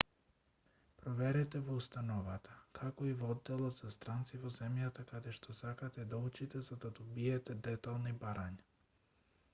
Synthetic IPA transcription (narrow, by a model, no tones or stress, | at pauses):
pɾɔvɛɾɛt̪ɛvɔust̪anɔvat̪akʰakɔivɔd̪ːɛlˠɔt̪zast̪ɾant̪sivɔzɛmjat̪akad̪ɛʃt̪ɔsakat̪ɛd̪aut͡ʃit̪ɛzad̪ad̪ɔbiɛt̪ɛd̪ɛt̪alˠnibaɾaɲa